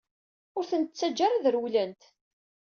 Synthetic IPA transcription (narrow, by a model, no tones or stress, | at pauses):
ʊɾθənt̪t͡sːæd͡ʒːaɾaðəɾwlænt̪